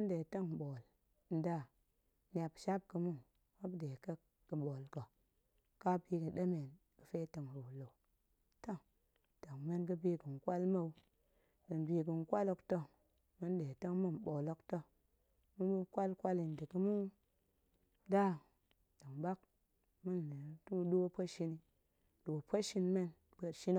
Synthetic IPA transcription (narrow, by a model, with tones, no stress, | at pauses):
mə˦n˦de˨tə˦ŋ˨ɓo˨l | n̩˨da˦˨ | n˨a˨pʃa˦p̚kə˨mu˦ | ma˦bde˨kə˦ | kə˨ɓo˨lkə˨ | ka˦bi˦kə˨ɗe˦me˨n | kə˨fe˦tə˨ŋ˨ɾu˨lo˨ | tə˦˨ŋ | tə˨ŋme˦nk̬ɨ˦bi˦kə˨ŋ˨kʷa˦lma˦u˦ | kɨ˨nbi˧k̬ɨ˨n˦kʷa˦lo˧kto˦ | mɨ˦n˦ɗe˨tə˦ŋmɨ˦nɓo˨lo˦kto˦ | mɨ˦bu˦kʷa˦lkʷa˦li˨n˨dɨ˨kɨ˦mu˦ | da˦ | da˨ŋɓa˦k̚ | mɨ˦n˨le˨tu˦ɗo˦pə˦ʃi˧ni˨ | ɗo˨pə˦ʃi˧nme˦n | bə˧˨tʃi˦n˦